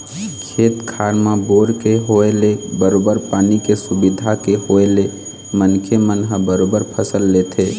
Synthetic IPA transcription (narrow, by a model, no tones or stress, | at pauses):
kʰeːt̪kʰaːɾmãboːɾkeɦoelebəɾoːbəɾpaːnikesʊbɪd̪ʱakeɦoele | mənkʰemənɦəbəɾoːbəɾpʰəsəlːet̪ʰeː